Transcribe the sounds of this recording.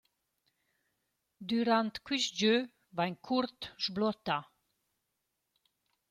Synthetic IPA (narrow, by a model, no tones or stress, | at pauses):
d̪yɾãnt̪kwisd͡ʒø | vaɲkʰuɾt̪ʒblɔt̪a